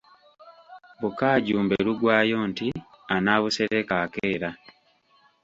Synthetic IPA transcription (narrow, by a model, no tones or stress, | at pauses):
βukaːɟuːmbeɾuɡwaːjo̞ːnti | anaːβuseɾekaːkeːɾa